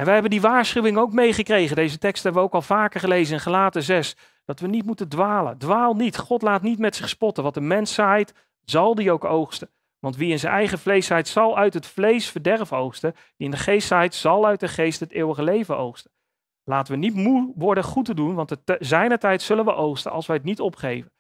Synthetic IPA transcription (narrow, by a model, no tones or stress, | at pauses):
ɛnʋəɦɛbəndiʋaːɹsχywɪŋowkmejχəkrejχəndejzətɛkstɦɛbəʋəowkɑlˠvaːkəɹχəlejzənɪnχalaːtəzɛs | d̥ɑtʋənit̚mutəndʋaːlə̰ndʋaːlˠnitχɔtlaːtnitmɛtsɪχspɔtəʋɑtəmɛnsɛjt | z̥ɑlˠdiowkowχstə | ʋɑntʋiɪnzənʔɛjχəvlejsɛjtsɑlˠœɥtɦətflejsfəɹdɛrfowχstə | d̥iɪndəχejstɛjtsɑlˠœɥt̚dəχejstɦətɪːwəχəlejvənowχstə̥ | laːtəʋənitmuʋɔɹdəχutədunʋɑntəzɛjnətɛjtsɵlənʋəʔowχstə̰ʔɑ̰lˠsʋəətnitɔpχejvən